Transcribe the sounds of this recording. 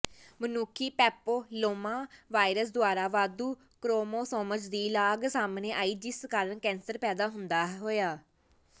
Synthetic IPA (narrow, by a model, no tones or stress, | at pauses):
mənuːkʰiːpɛːpoːloːmaːʋaːɪɾəsd̪ʊaːɾaːʋaːd̪uː | kɾoːmoːsoːmət͡ʃd̪iːlaːɡsaːmneːʔaːiːd͡ʒɪskaːɾənkɛ̃ːnsəɾpɛːd̪aːɦʊnd̪aːɦɦoːjaː